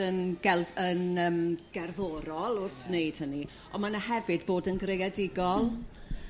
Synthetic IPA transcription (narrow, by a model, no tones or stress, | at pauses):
ənɡɛənəːmɡ̥ɛrðɔɾɔlˠʊrθnejd̥həni | ɔmanahɛvɨdboːdənɡrejɛdɪɡɔlˠ